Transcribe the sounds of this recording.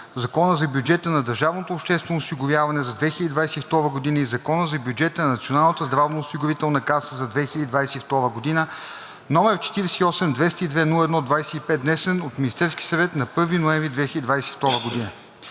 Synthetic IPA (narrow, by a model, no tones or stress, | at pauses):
zɐkɔnəzɐbjud͡ʒɛt̪ənɐd̪ɐɾʒavnot̪oːpʃt̪ɛst̪vonosiɡʊvʲjavɐnɛzɐd̪vɛxilʲəd̪id̪vajsɛift̪ɔɾvəɡod̪inəizɐkɔnəzɐbʲjud͡ʒɛt̪ənɐnɐt̪sionalˠnət̪əzd̪ɾavnəosiɡʊvit̪ɛlˠnɐkasəzɐd̪vɛxilʲəd̪id̪vajsɛift̪ɔɾvəɡod̪inə | nɔmɛɾt͡ʃɛ̥t̪iɾɛsɛiɔsɛmd̪vɛst̪əid̪vɛnulˠəɛd̪nɔd̪vajsɛipɛt̪̚nɛsɛnot̪mʲinist̪ɛɾsk̟ʲi̥sɐvɛt̪nɐpɤɾvinoɛmvɾʲid̪vɛxilʲəd̪id̪vajsɛift̪ɔɾəɡod̪inə